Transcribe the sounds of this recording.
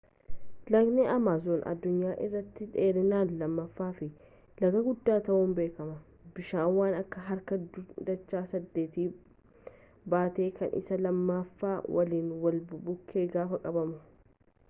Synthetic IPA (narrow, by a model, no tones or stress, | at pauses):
lɐɡneʔɐmaːzoːnʔɐ̰d̪ːʊɲːaːʔɪrːɐt̪ːɪᶑeːɾɪnaːnlɐmːɐfːaːfɪ | lɐɡɐɡʊd̪ːaːt̪ɐʔʊnbe̞ːkɐmɐ | bɪʃaːnwaːnɐkːɐɦɐɾkɐd̪ɐt͡ʃːaːsɐd̪ːe̞ːt̪iː | baːt̪e̞ːkɐnʔɪ̰sɐlɐmːɐfːaːwʔɐliːnwɐlbʊbʊkʰːeːɡaːfɐkʼɐbɐmʊ